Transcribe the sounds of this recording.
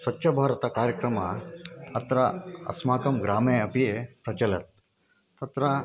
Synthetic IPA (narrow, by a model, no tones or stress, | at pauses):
sɐtːʃʰɐbʱaːɾɐt̪ɐkaːɾjɐkɾɐmɐɐt̪ɾɐɐ̰smaːkɐmɡɾaːmeːɐpiepɾɐt͡ʃɐlɐt̪̚ | t̪ɐt̪ɾɐ